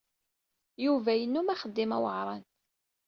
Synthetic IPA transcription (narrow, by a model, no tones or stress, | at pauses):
juvæjənːumæχəd̪ːimæ̰wəʕɾˤɑn